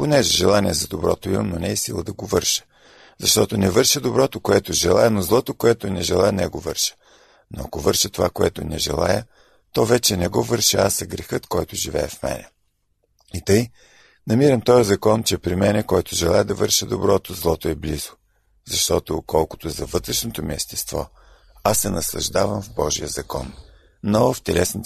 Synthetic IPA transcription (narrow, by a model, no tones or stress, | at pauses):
ponɛʒɛʒɛlˠaniɛzɐd̪obɾɔ̰t̪oimmnonɛːsilˠəd̪ɐɡovɤɾʃə̥ | zɐʃt̪ɔt̪onɛvɤɾʃəd̪obɾɔt̪okoɛt̪oʒɛlˠajɛnozlˠɔt̪okoɛt̪onɛʒɛlˠajɛnɛɡovɤɾʃə̥ | no̰ɐ̰kovɤɾʃət̪ova̰koɛt̪onɛʒɛ̰lˠa̰jə | t̪ɔvɛt͡ʃɛnɛɡɔvəɾʃəasɐɡɾɛxɤt̪kɔjt̪ʊʒivɛ̰ɛfmɛ̰nɛ̰ | it̪ɤj | nɐmiɾəmt̪ɔjəzɐkɔnt͡ʃɛpɾimɛnɛkɔjt̪ʊʒɛlˠajɛd̪ɐvɤɾʃəd̪obɾɔt̪ozlˠɔt̪oɛblizo | zɐʃt̪ɔt̪okɔlˠkʊt̪ozɐvɤt̪ɾɛʃnot̪omiɛst̪ɛ̥st̪vɔ̰ | asːɛnɐslˠɐ̰ʒd̪avɐmvbɔʒijəzɐkɔ̰nː | ɔft̪ɛlɛsn